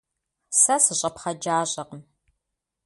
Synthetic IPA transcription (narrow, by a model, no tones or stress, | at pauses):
sɐsɨɕʼɐpχɐd͡ʒaːɕʼɐqəm